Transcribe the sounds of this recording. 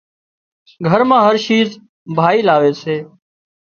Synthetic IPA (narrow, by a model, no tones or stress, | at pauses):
ɡʱəɾmãːɦəɾʃiːz | bʱaːiːlaːʋeːseː